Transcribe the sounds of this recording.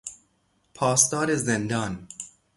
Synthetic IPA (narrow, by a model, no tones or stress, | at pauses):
pʰɑːst̪ɑːɾezːend̪ɑːn